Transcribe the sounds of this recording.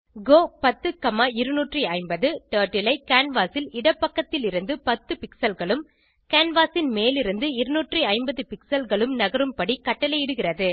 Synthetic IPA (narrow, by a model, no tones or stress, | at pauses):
ɡoːpɐt̪ːɯkɐmaɪɾɯnuːʈriɐɪmbɐðɯʈɐːɾʈːɪlɐɪkaːnʋaːsɪlɪɽɐpːɐkːɐt̪ːɪlɪɾɯnd̪ɯpɐt̪ːɯpɪksɐlɣɐɭɯm | kaːnʋaːsɪnmeːlɪɾɯnd̪ɯɪɾɯnuːʈriɐɪmbɐðɯpɪksɐlɣɐɭɯmnɐɣɐɾɯmpɐɽikɐʈːɐlɐɪɪɽɯɣɪrɐðɯ